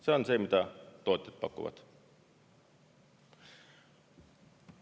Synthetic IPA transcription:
seonsemit̪æt̪oˑit̪ːˑet̪̚pɑkːṵʋɑ̰t̪

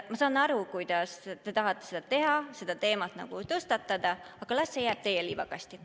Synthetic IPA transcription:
mɑsɑːnɑɾukujd̪̥ɑst̪e̞t̪ɑɦɑt̪ˑːese̞d̪ɑt̪e̞ɦɑse̞d̪̥ɑt̪e̞ːmɑt̪nɑ̰ɡ̥ut̪ɤst̪ɑt̪ːˑɑd̪̥ɑɑɡ̥ɑlɑsːe̞jæːb̥t̪e̞jɛliːvɑɡɑst̪i

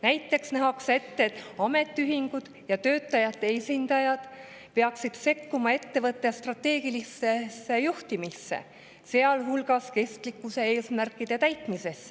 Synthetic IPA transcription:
næjt̪ːe̞ksnæɦɑkse̞t̪ːet̪ːɑme̞t̪ːˑiyɦiŋɡ̥ud̪̥jɑt̪ø̞ːt̪ːˑɑjɑt̪ːe̞esʲind̪ɑjɑd̪̥ | pe̞ɑksid̪̥se̞kːumɑe̞t̪ːe̞vɤt̪ˑːest̪rɑt̪ːe̞ːɡ̥ilisːesːe̞juht̪imisːḛ | se̞ɑlɦulɡ̥ɑske̞st̪likːuse̞e̞ːsmærkːˑid̪̥e̞t̪æjt̪ˑmise̞s

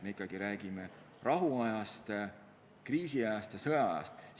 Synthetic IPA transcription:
me̞ikːˑɑɡ̥iɾæːɡ̥ime | rʔɑɦuɑjɑst̪ | kriːsiɑjɑst̪jɑsɤjɑɑjɑ̰st̪

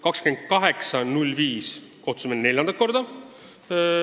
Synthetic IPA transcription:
kɑkskymend̪̥̚kɑɦe̞ksɑnulʲːviːsko̞ht̪sumenne̞lʲjɑnd̪ɑt̪̚ko̞rd̪ɑ

